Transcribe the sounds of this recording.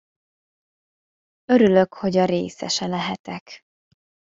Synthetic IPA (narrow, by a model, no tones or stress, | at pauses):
ø̞ɾylø̞kho̞ɟɒɾḛːsɛ̰ʃɛlɛɦɛt̪ɛk